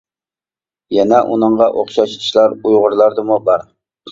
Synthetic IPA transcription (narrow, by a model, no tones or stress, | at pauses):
jɛnɛʔṵnəɴʁɑʔoχʃɑʃt̪ʰɪ̥ʃlˠɑɾujʁʊɾlˠɑɾd̪ɨmubɑɾ